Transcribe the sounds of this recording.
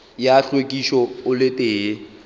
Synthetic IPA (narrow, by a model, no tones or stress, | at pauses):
jaɬwekʼiʃɔʊlɪtʼeː